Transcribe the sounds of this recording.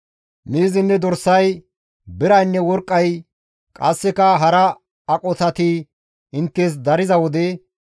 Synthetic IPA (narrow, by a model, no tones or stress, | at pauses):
miːzɪnːɛd̪ɔɾsɐj | bɪɾɐjnːɛwɔɾkʼːɐj | kʼɐsːɛkɐɦɐɾɐ | ɐkʼɔt̪ɐt̪i | ɪnt̪ːes̬d̪ɐɾɪzɐwɔd̪ɛ